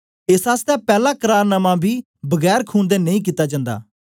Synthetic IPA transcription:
ɪsaːst̪ɛːpɛːlaːkəɾaːɾnəmãːbʱiː | bəɡɛːɾkʰuːnd̪eːnəĩːk̬iːt̪aːd͡ʒãːnd̪a̰ː

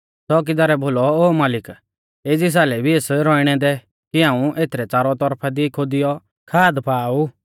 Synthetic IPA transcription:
sɔːk̬ɪd͡zaːɾɛbʱoːlɔoːmaːlɪk | eːd͡zis̬aːlɛbʱieːsɾɔːiɽ̃ɛd̪ɛ | kiãːũʔeːt̪ʰɾɛt͡saːɾɔt̪ɔɾpʰɛd̪ikʰod̪ɪjɔ | kʰaːd̪pʰaːu

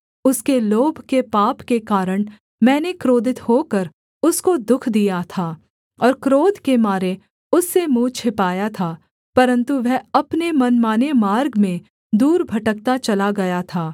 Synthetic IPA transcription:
ʊskeloːbʱkepaːpkekaːɾəɽ̃ | mɛ̃ːnekɾoːd̪ɪt̪hoːkəɾ | ʊskod̪ʊkʰd̪ijat̪ʰaː | ɔːɾkɾoːd̪ʱkemaːɾe | ʊsːemũːt͡ʃʰɪpaːjat̪ʰaː | pɐɾə̃nt̪uʋɛɦɐpnemɐnmaːnemaːɾɡmẽ | d̪uːɾbʱɐʈək̚t̪at͡ʃɐlaɡɐjat̪ʰaː

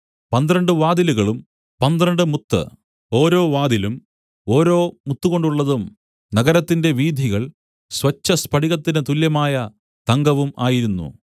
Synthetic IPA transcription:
pɐnd̪ɾɐɳɖɨʋaːd̪iluɣɐɭum | pɐnd̪rɐɳɖɨmut̪ːɨ̰ | o̞ːɾo̞ːʋaːd̪ilum | o̞ːɾo̞ːmut̪ːuɣo̞ɳɖuɭːɐðum | nɐɡɐɾɐt̪ːinde̞ʋiːd̪ʱiɣɐɭ | sʋɐt͡ɕːɐspʰɐɖiɣɐt̪ːinɨt̪uljɐmaːjɐ | t̪ɐŋɡɐʋumaːjiɾunːṵ

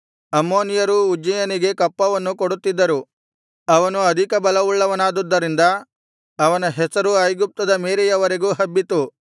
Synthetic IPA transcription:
ɐmːoːnijɐɾuːd͡ʒɐjɐniɡe̞kɐpːɐʋɐnːukoɽut̪ːid̪ːɐɾu | ɐʋɐnuɐd̪ʱikɐbɐlɐʋuɭːɐʋɐnaːd̪ud̪ːɐɾind̪ɐ | ɐʋɐnɐɦɛsɐɾuɐjɡup̚t̪ɐd̪ɐmeːɾejɐʋɐɾeɡuːɦɐbːit̪u

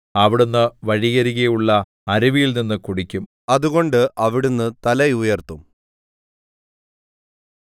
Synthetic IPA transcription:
ɐʋiɽunːɨʋɐɻiɣɐɾiɣɐjuɭːɐ | ɐɾiʋijilninːɨkuɽikʲːum | ɐðuɣo̞ɳɖɨʔɐʋiɽunːɨt̪ɐlɐjujɐrt̪um

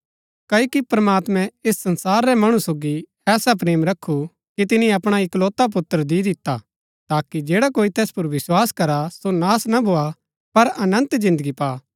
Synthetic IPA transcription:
kɐikipɾɐmaːt̪mɛ̃esːɐ̃nsaːɾːɛmɐɽ̃usoːɡi | ɛːsap̬ɾeːmɾɐkʰːu | kit̪ɪnĩɐpɽ̃aɪkloːt̪ap̬ʊt̪ːəɾd̪id̪ɪt̪ːa̰ | t̪aːkid͡ʒeːɽakoːit̪ɛːspʊɾʋɪswaːskɐɾasonaːsnabʱoa | pɐɾɐnə̃nt̪zɪ̃nd̪əɡipaː

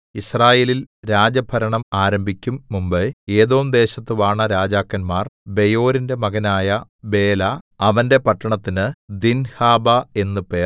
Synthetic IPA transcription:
israːje̞ːlilɾaːd͡ʑɐbʱɐɾɐɳɐmaːɾɐmbʱikʲːumːumbɨe̞ːðo̞ːmd̪e̞ːɕɐt̪ːɨʋaːɳɐɾaːd͡ʑaːkːɐnmaːrbe̞jo̞ːɾinde̞mɐɣɐnaːjɐbe̞ːlɐ | ɐʋɐnde̞pɐʈːɐɳɐt̪ːinɨd̪inhaːbɐe̞nːupeː

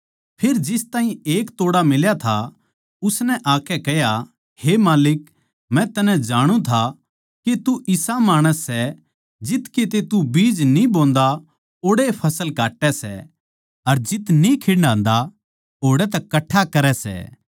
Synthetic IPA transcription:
pʰeːɾd͡ʒɪst̪aːɦĩeːkt̪oːɽamɪljat̪ʰa | ʊsnɛʔaːkɛkɛja | hemaːlɪk | mɛ̃t̪ɐnɛ̃d͡ʒaːɽ̃ũt̪ʰa | ket̪uʔɪsamaːɽ̃əsːɛ | d͡ʒɪt̪ket̪̬et̪ubiːd͡ʒnĩboːnd̪a | oːɽepʰɐsəlkaːʈːɛsɛ̰ | ɐɾd͡ʒɪt̪nikʰeːɽnãːnd̪a | ɦoːɽɛt̪̬ɐkɐʈʰːakɐɾɛsɛ̰ː

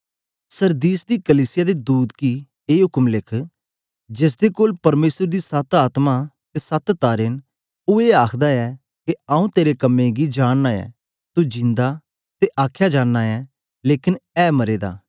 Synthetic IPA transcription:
səɾd̪iːsd̪iːkəliːsɪjaːd̪ed̪uːd̪ki | eːɦʊkmlɪkʰ | d͡ʒɪs̬d̪ekoːlpɐɾmeːsəɾd̪iːsət̪aːt̪mat̪esət̪t̪ːaːɾɪn | ueːaːkʰd̪aɛː | keaːũːt̪eːɾekəmːẽɡid͡ʒaːɽnaːɛ̰ː | t̪ud͡ʒɪ̃nd̪a | t̪eʔaːkʰjad͡ʒaːnːaːɛː | leːkɪnɛːmɐɾeːd̪a̰ː

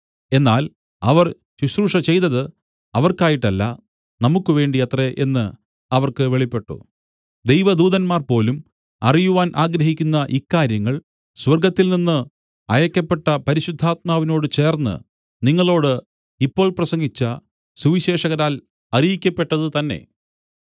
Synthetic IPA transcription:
e̞nːaːl | ɐʋɐr | t͡ɕuɕruːʂɐt͡ɕe̞jt̪ɐðɨ | ɐʋɐrkaːjiʈːɐlːɐ̰ | nɐmukːɨʋe̞ːɳɖiɐt̪re̞ʔe̞̰nːɨ | ɐʋɐrkɨʋe̞ɭipːe̞ʈːṵ | d̪e̞jʋɐd̪uːðɐnmaːrpo̞ːlum | ɐ̰rijuʋaːnʔaːɡɾɐɦikʲːunːɐʔikːaːɾjɐŋːɐɭ | swɐrɡɐt̪ːilninːɨ | ɐjɐkʲːɐpːe̞ʈːɐpɐɾiɕud̪ʱːaːt̪̚maːʋino̞ːɽɨt͡ɕe̞ːrnːɨ̰ | niŋːɐɭo̞ːɽɨ | ipːo̞ːɭprɐsɐŋɡit͡ɕːɐ | suʋiɕe̞ːʂɐɣɐɾaːl | ɐrijikʲːɐpːe̞ʈːɐðɨt̪ɐnːe̞̰

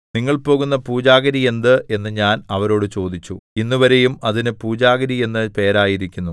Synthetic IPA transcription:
niŋːɐɭpo̞ːɣunːɐpuːd͡ʑaːɣɐɾie̞nd̪ɨʔe̞nːɨɲaːnɐʋɐɾo̞ːɽɨt͡ɕo̞ːd̪it͡ɕːuinːuʋɐɾe̞jumɐðinɨpuːd͡ʑaːɣɐɾije̞nːɨpe̞ːɾaːjiɾikʲːunːu

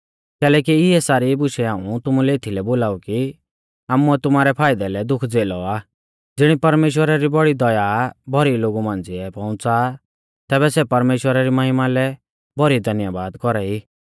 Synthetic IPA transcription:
kɛːlɛːkiɪɛsaːɾibʊʃɛaːũt̪ʊmulɛɪt̪ʰilɛboːlaːuki | aːmuɛt̪ʊmaːɾɛpʰaːɪd̪ɛlɛd̪ʊkʰd͡zeːlɔaː | d͡zɪɽ̃ipɐɾmeːʃ̬wəɾaɾibɔɽid̪ɔjabʱɔɾiloːɡumãːnd͡ziɛpɔ̃ʊ̃t͡sa | t̪ɛːβɛsɛpɐɾmeːʃwəɾaɾimɐɦɪmalɛ | bɔɾid̪ʱɐnjabaːd̪kɔɾaiː

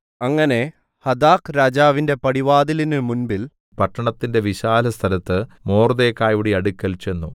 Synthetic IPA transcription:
ɐŋːɐne̞ | hɐd̪aːkɾaːd͡ʑaːʋinde̞pɐɽiʋaːd̪ilinɨmunbil | pɐʈːɐɳɐt̪ːinde̞ʋiɕaːlɐst̪ʰɐlɐt̪ːɨmo̞ːrd̪eːkːaːjʋuɽiɐɽukʲːɐlt͡ɕe̞nːu

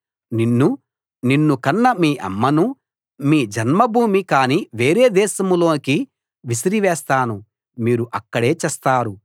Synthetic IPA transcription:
ninːu | ninːukɐnːɐmiːʔɐ̰mːɐnu | miːd͡ʒɐnmɐbʱuːmikaːniʋe̞ːɾeːd̪ɛːʃɐmulo̞ːniki | ʋisiɾiʋɛːst̪aːnu | miːɾuʔɐkːɐɽe̞ːt͡ʃɛːst̪aːɾu

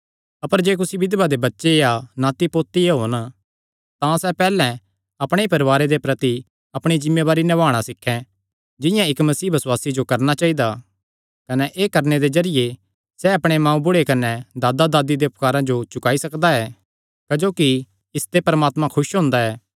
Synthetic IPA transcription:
ɐpəɾd͡ʒeːk̬ʊsibɪd̪bad̪ebɐtːʃeanãːt̪ipoːt̪ːieɦoːn | t̪ãsɛpɛːlɛ̃ | ɐpɽ̃eipɐɾʋaːɾed̪epɾɐt̪i | ɐpɽ̃id͡ʒɪmːebaːɾinɛʋaːɽ̃asɪkʰːɛ̃ | d͡ʒɪ̃jãɪkmɐsiːbʱɐswaːsid͡ʒokɐɾnat͡ʃaːid̪a | kɐnɛʔeːkɐɾned̪ezɐɾɪje | sɛɐpɽ̃emãːũbʊɽekɐnɛd̪aːd̪ad̪aːd̪id̪eʊp̚kaːɾãd͡ʒot͡ʃʊkaːisɐkd̪aɛː | kɐd͡ʒoːki | ɪst̪epɐɾmaːt̪mãkʰʊʃɦõːnd̪aɛː

